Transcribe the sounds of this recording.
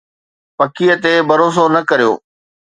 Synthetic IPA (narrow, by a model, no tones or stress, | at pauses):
pɐkijət̪ebɐɾoːs̬onɐkɐɾijo̰ː